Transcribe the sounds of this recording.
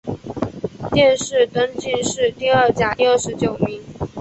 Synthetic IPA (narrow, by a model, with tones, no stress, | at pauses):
t̪jɛ˥˧nʂɻ̩˥˩t̪ə˥ŋt͡ɕi˥˧nʂɻ̩˥˧t̪i˥˧ə˥˩t͡ɕja˨˥jo˥˩ʊʂɻ̩˧˥t͡ɕjo˨˩ʊmi˧˥˦ŋ